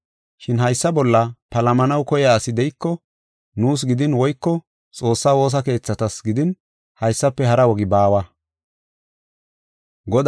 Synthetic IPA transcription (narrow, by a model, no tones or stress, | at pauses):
ʃɪnɦɐjsːɐbɔlːɐpɐlɐmɐnɐwkɔjaːsɪd̪ɛjɪkːɔ | nuːs̬ɡɪd̪ɪnwɔjkːɔ | t͡sʼo̞ːsːawo̞ːs̬ɐke̞ːt͡sːɐt̪ɐsɡɪd̪ɪn | hɐjsːɐpːɛhɐɾɐwɔɡɪbaːwɐ | ɡɔd̪